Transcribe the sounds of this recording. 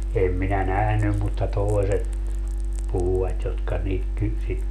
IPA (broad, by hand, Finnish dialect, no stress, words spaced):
em minæ næhnym mutːɑ toeset puhuwɑt jotkɑ niːk ky sit